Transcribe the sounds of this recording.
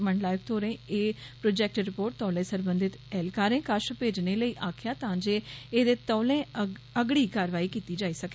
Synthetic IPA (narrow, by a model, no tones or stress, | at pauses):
məɳɖlaːjək̚t̪ʰoːɾẽːeːpɾoːd͡ʒɛːk̚ʈɾɪpoːɾʈ̚t̪ɔːlẽːsəɾbə̃nd̪ɪt̪ɛːlkaːɾẽːkəʃpeːd͡ʒneːləiːʔaːkʰjaːt̪ãːd͡ʒeːeːd̪eːt̪ɔːlẽː | əɡɽiːkaːɾʋaːiːkiːt̪iːd͡ʒaːiːsəke